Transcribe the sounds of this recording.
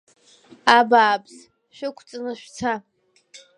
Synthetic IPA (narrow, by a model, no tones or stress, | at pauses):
abaːbʼz | ʃᶣʊkʷʰt͡sʼɨnɨʃᶣʷt͡sʰa